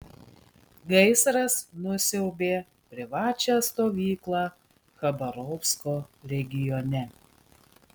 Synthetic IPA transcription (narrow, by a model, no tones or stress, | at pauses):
ɡɐɪsɾɐsnʊsʲɛʊbʲeː | pʲɾʲɪʋɑːt͡ʃʲæːst̪oːʋʲiːklˠɑː | xɐbɐɾɔfskoːɾʲɛɡʲɪjɔnʲɛ